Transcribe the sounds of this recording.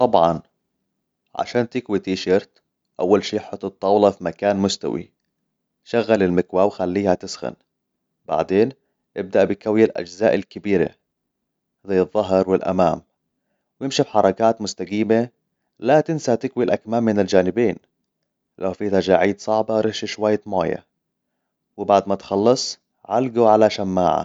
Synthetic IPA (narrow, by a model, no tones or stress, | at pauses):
t̪ˤɑbʕɑ̰n | ʕa̰ʃaːnt̪ɪkwit̪iːʃɑɾt̪ | ʔawːalʃiːħʊt̪ːˤɨt̪ˤːɑːwlɑfimakaːnmʊst̪a̰wḭ | ʃaɣːalɪlmɪkwaːwxalːiːhat̪ɪsxa̰n | b̥a̰ʕd̪eːn | ʔɪb̚d̪aʔbɪjkawjalʔa̰d͡ʒza̰ːʔɪlkɪbiːɾḛ | zajːɨðˤːɑɦɑɾˤwɪlʔa̰maːm | wjɪmʃibħɑɾˤɑkaːt̪mʊst̪aɡiːme | lat̪ɪnsat̪ɪkwilʔakmaːmːɪnɪld͡ʒaːnɪbeːn | lawfiːt̪ad͡ʒaʕiːd̪sˤɑʕbɑɾˤɪʃiʃwajːamaːja̰ | wɪbaʕd̪mat̪xɑlːɑsˤ | ʕalɡuʕalaʃamːaːʕa̰